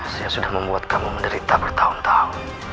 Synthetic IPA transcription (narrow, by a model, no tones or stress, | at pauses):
sajasudahməmbuat̪̚kamuməndəɾit̪abərt̪aɦʊnt̪ahʊn